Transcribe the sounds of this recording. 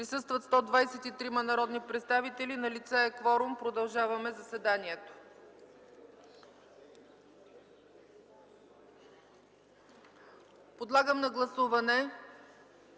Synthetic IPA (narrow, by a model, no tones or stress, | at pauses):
pɾisɤst̪vət̪st̪ɔd̪vajsɛt̪it̪ɾimɐnɐɾɔd̪nipɾɛt̪st̪avit̪ɛlinɐlit̪sɛɛkvɔɾumpɾod̪ɐlˠʒavɐmɛzɐsɛd̪aniɛt̪o̥ | pod̪lˠaɡəmnɐɡlˠɐsuvɐnɛ